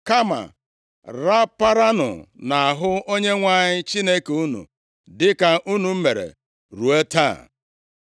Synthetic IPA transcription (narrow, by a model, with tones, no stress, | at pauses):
ka˦ma̰˨ | ɾa˦pa˦ɾa˦nʊ̰˨na˨a˨ɦʊ˦o˦ɲe˦ŋʷa˦ɲɪ˦t͡ʃi˦ne˦ke˨u˦nṵ˨ | dɪ˦ka˨ʔu˦nu˨m̩˦me˨ɾḛ˨ | ɾu˨e˦ta̰˦˨